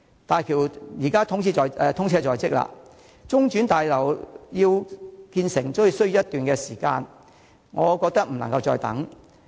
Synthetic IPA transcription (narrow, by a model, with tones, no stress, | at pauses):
t̪aː˨jkʰiː˨˩wjiː˨˩kaː˥t̪ʰʊ˨˥ŋt͡sʰiː˧t͡sɔː˨jɛ˧t̪ʰʊ˥ŋt͡sʰɛː˧t͡sɔː˨jt͡sɪ˥k̚la̰ː˧ | t͡sʊ˥ŋt͡ʃy˨˥nt̪aː˨jlɐ˨˩wjiː˧wkiː˧nsɪ˨˩ŋt͡sʊ˧˥ji˧wsɵ˥jy˧˥jɐ˥t̪yː˨nkɛ˧siː˨˩ka̰ː˧n | ŋɔː˨˧kɔː˧k̚t̪ɐ˥k̚m̩˨˩nɐ˨˩ŋkɐ˧wt͡ʃɔː˧jt̪ɐ̰˨˥ŋ